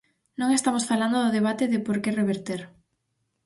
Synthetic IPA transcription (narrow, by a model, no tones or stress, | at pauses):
nõŋest̪amosfaland̪oðʊðeβ̞at̪ɪðɪpoɾkereβ̞eɾt̪eɾ